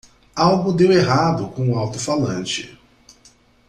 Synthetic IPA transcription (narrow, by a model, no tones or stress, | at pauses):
awɡʊd̪eweɦad̪ʊkõw̃ũawt̪ʊfalɐ̃nt͡ʃɪ̰